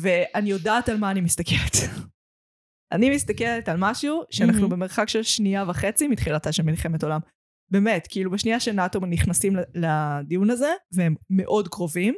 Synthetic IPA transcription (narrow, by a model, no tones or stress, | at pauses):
ve̞anijo̞daːtalmaːnimist̪akʰelet̪ | ʔa̰nimist̪akeletalmaʃuuʃeannaχnubeme̞ʁχakʃelʃniavaχe̞t͡simitχilat̪aʃelmilχe̞meto̞lam | be̞me̞tkiilubeʃniaʃenat̪omniχnasimllad̪ijunaze̞vee̞mːe̞ʔo̞dkʁo̞vim